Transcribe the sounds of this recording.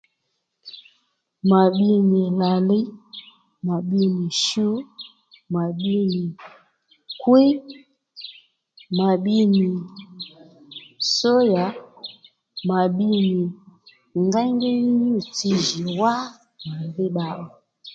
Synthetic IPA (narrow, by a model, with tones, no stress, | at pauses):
ma˨ɓi˦ni˨la˨li˦ | ma˨ɓi˦ni˨ʃu˦ | ma˨ɓi˦ni˨ | kwi˦ | ma˨ɓi˦ni˨ | sɔ˦ja˨ | ma˨ɓi˦ni˨ | ŋɡa˦ŋɡɛ˦ni˦ɲu˦˨ti˦ʒi˨wa˦ | na˨vi˦ɓa˦ʔɔ˨